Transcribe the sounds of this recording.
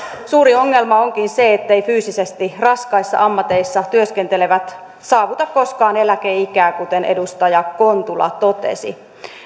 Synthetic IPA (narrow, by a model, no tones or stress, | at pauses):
suːɾio̞ŋːe̞lmɑoŋkinseet̪ːeifyːsisest̪irɑskɑisːɑ̰ʔɑmːɑt̪e̞isːɑt̪yøskent̪eleʋæt̪ | sɑːʋut̪ɑkko̞skɑːnelæk̟eikæːkut̪enʔedust̪ɑjɑko̞nt̪ulɑ̰t̪o̞t̪ḛsḭ